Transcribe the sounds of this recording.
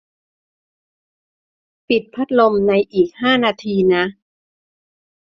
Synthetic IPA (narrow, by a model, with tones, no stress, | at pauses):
pi˨˩t̪̚pʰa˦˥t̪̚lo˧mna˧jʔiː˨˩k̚haː˥˩naː˧t̪ʰiː˧na˦˥ʔ